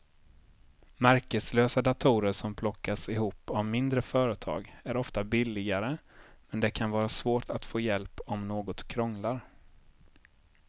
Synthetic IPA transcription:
mæɾkəsløːsad̪at̪ʰuːɾəʂɔmpʰlɔkːasɪhuːpːavmɪnd̪ɾəfœːɾət̪ʰɑ̰ːɡæɾɔft̪abɪlːɪɡaɾəmɛnd̪ɛkʰanvɑːɾasvoːʈʰat̪foːjɛlpɔmnoːɡɔt̪kʰɾɔŋlaɾ

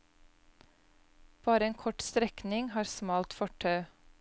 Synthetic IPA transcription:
b̥ɑːɾəeːŋkʰɔʈst̪ɾɛknɪŋhɑːɾsmɑːlt̪fɔʈʰɑʏ

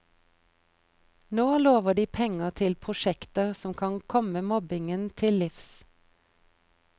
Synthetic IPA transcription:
noːloːʋəɖiːpʰɛŋət̪ʰɪlpʰʁʊʃɛkt̪əʁsɔmkʰɑŋkʰɔməmɔbɪŋənt̪ʰɪllɪfs

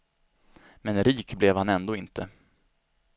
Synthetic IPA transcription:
mɛnɾiːkblɛvhanɛnd̪oːɪnt̪ʰə

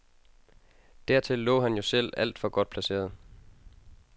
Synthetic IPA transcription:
d̥æɐ̰t͡sʰe̝lːɔ̰̽ːɦænjo̝sel̰æl̰d̥fɒ̽ɡ̥ɒ̽d̥̚pʰlæse̝̰ːɐð̩ˠ

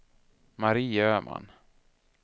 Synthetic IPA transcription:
maɾiːøːmʔa̰n

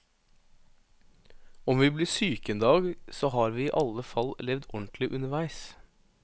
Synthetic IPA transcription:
ɔmʋiːbliːsyːkənd̪ɑːɡsoːhɑːɾʋiːiːʔɑləfɑllɛʋd̪ɔɳt̪lɪʔʉnəʋæɪs

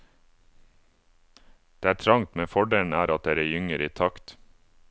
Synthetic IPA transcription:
d̪̥eːæːʈʰɾɑŋt̪meːfɔɖeːln̩æːɾʔɑt̪̚d̪eːɾæːjʏŋəɾiːt̪ʰɑkt̪

